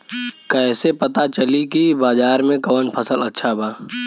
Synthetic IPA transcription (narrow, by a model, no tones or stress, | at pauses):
kɛːsepɐt̪at͡ʃəlikibaːzaːɾmẽkɔːnpʰəsəlɐtːʃʰabaː